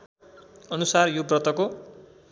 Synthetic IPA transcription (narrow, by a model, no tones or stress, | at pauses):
ʌnusarjobrʌt̪ʌko